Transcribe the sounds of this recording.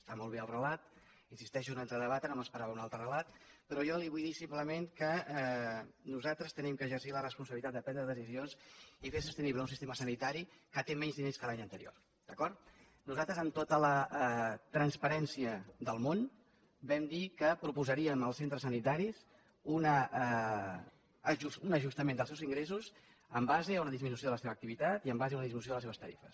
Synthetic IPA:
st̪amɔlˠβ̞eəlˠrəlat̪ | insist̪ɛʃuunalˠt̪ɾəðəβat̪ənoməspəɾaβəunalˠt̪ɾərəlat̪pəɾɔjɔliβujðisimpləmenkəɛnuzat̪ɾəst̪ənimkəːʒərsilərəspunsəβilit̪at̪d̪əpɾɛnd̪ɾəðəsizionsifes̬ust̪əniβləunsist̪eməsənit̪aɾikət̪emɛɲzðineskəlaɲənt̪əɾio̰ | d̪̥əkɔɾt̪ | nuzalˠt̪ɾəzəmt̪ot̪ələ | t̪ɾənspəɾɛnsiəðəlˠmon | bɛmd̪ikəpɾupuzəɾiəməlˠsent̪ɾəsənit̪aɾis | unə | ʒusunəʒust̪əmẽnd̪əsewziŋɡɾesuz | əmbazeunəðizminusioðələseβəːk̚t̪iβit̪at̪iəmbazeunðizminus̬oələseβəst̪əɾḭfəs

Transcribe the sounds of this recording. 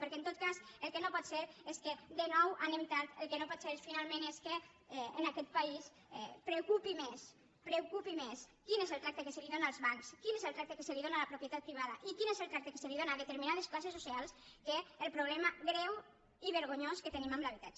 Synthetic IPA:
pəɾkẽnt̪ot̪̚kasəlˠkenopɔt̪seɾesked̪enɔwʔanemt̪at̪elˠkenopɔt̪seɾfinalˠmẽneskeː | nakɛt̪̚pais | ɛpɾekupimes | pɾewkupimeskinezəlˠt̪ɾakt̪ekesəliðonalˠzβaŋkskinezelˠt̪ɾak̚t̪ekeseliðonalapɾupjət̪at̪̚pɾiβ̞aðaʔikinezəlt̪ɾak̚t̪eke̥seliðonaðet̪eɾminað̞esklasesosialˠskeːlˠpɾoβlɛmaɣɾɛw | iβeɾɣ̞oɲoskət̪enimamlaβ̞it̪at͡ʃe

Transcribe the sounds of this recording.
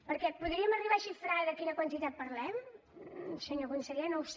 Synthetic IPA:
pəɾkɛpuðɾiəməriβaʃifɾaðəkinəkwənt̪it̪at̪̚pəɾlɛm | səɲokunsəʎenows

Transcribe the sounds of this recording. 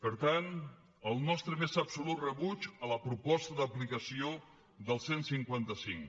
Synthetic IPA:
pəɾt̪an | əlˠnɔst̪ɾəmezəpsulut̪rəβud͡ʒələpɾupɔst̪əðəplikəsio | d̪əlˠsensiŋkwant̪əsiŋ

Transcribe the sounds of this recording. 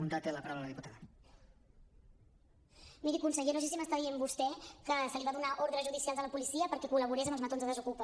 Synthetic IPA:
unt̪at̪ːeləpaɾawləðəəðiput̪aɣə | miɾikunsəɣenoʃ̬es̬iməst̪aðiembust̪ɛkəsəliβaðunaʔoɾðɾəzʒuðisialˠzələpulisiəpəɾkɛkuləβ̞uɾezəmbəlzmət̪onzðəðəzukupə

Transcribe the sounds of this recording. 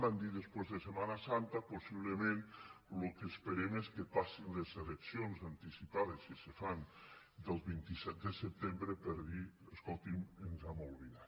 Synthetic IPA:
and̪iðəspezðəsemanasant̪aposiβ̞ləmẽnlokespeɾemeskəpasinlezeleksionzant̪isipaðeskesefan | d̪əlˠβint̪isɛt̪̚d̪əsəp̚t̪embɾəpəɾðiəskɔlˠt̪imənzamolˠβina

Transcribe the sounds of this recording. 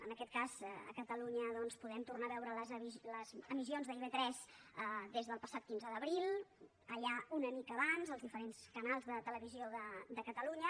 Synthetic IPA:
ə̰nəkɛt̪̚kazə̰kət̪əluɲəðɔnspuðɛmt̪urnaβɛwɾələzβiləzəmizionzðəiβet̪ɾɛzəd̪ezðəlˠpəsat̪kinzəðəβɾilˠ | əʎaunəmikəβanzəlˠzðifəɾenskənalˠzðət̪ələβizioðəd̪əkət̪əluɲə

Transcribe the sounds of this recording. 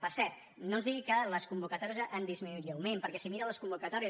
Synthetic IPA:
pəɾsɛɾt̪ | nonzðiɣikələskumbukət̪ɔɾiəzənd̪izminuɾiəwmempəɾkɛsimiɾəwləskumbukət̪ɔɾiə

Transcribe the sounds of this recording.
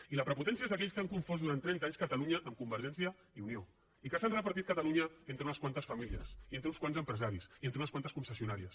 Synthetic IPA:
iləpɾəput̪ɛns̬iəezðəkɛʎskaŋkuɱfɔzd̪uɾant̪ːɾɛnt̪aɲskət̪ɐluɲəʔːmkumbəɾʒɛnsiə | iunio | ikəsanrəpəɾt̪it̪̚kət̪əluɲəent̪ɾəunəskwant̪əsfɐmiliə̰sient̪ɾəunskwanzəmpɾəzaɾisient̪ɾunəskwant̪əskunsəsiunaɾiəs

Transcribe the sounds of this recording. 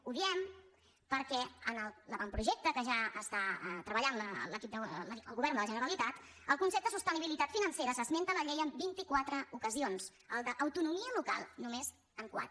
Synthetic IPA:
uðiɛm | pəɾkɛənəlˠləβampɾuʒɛk̚t̪əkəʒaəst̪at̪ɾəβəʎanlələkip̚d̪əə̰lˠɣuβɛɾnd̪ələʒənəɾəlit̪at̪ | əlˠkunsep̚t̪əsust̪əniβ̞ilit̪at̪finənseɾəsəzment̪ələʎejəmbint̪ikwat̪ɾəukəzionz̥ | əlˠd̪əʔəwt̪unumiəluka̰lˠnumez | əŋkwa̰t̪

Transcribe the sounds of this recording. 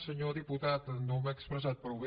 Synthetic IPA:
səɲoɾd̪iput̪at̪nd̪omɛkspɾɛs̬at̪̚pɾoβi

